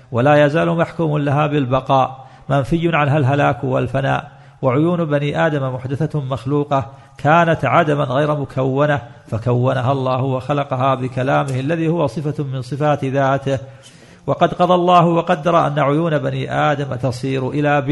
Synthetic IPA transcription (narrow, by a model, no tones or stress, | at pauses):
walaːjazaːlʊmaħkuːmʊlaɦaːbɪlbɑqɑːʔ | manfɪjːʊnʕanɦalɦalaːkwa̰lfana̰ːʔ | waʕʊjuːnbaniːʔaːd̪amamʊħd̪aθamaxluːqɑ | kʰaːnat̪ʕad̪amanɣajɾmʊkʰawːanafakawːanaɦalˤːɑːhʊwaxalɑqɑɦaːbɪkalaːmɪhʔalːaðiːhʊwasˤɨfamɪnsˤɨfaːt̪ðaːt̪ɪh | wɑqɑd̪qɑðˤɑlˤːɑːhʊwɑqɑd̪ːɑɾˤɑʔa̰nːaʕʊjuːnabaniːʔaːd̪amat̪ɑsˤiːɾʔɪlaːb